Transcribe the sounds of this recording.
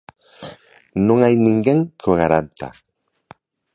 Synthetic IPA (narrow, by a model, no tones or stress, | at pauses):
nõŋajnĩŋɡeŋkoɣaɾant̪a̰